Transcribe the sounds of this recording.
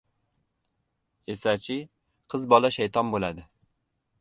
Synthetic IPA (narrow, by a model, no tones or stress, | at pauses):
esɛt͡ʃʰi | qʰəzbɒlˠɛʃæjt̪ʰɑnbolˠæd̪ɪ